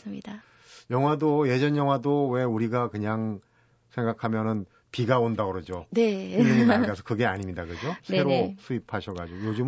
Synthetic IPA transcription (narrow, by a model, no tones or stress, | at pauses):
smɲida | jʌŋɦwadoje̞d͡ʑʌnjʌŋɦwadowe̞uɾiɡakɯɲaŋ | sʰe̞ŋɡakʰamjʌnɯn | piɡaondaɡɯɾʌd͡ʑoneɯnːɯɲinaɡasʰʌkɯɡe̞aɲimɲidakɯd͡ʑose̞ɾosʰuipʰaɕʰʌɡad͡ʑoɡojod͡ʑɯm